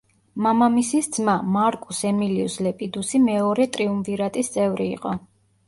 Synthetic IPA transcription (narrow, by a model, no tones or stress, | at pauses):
mamamisisd̪zmamaɾkʼusɛmiliuslɛpʼid̪usimɛɔɾɛt̪ʼɾiumviɾat̪ʼist̪sʼɛvɾḭːqʼɔ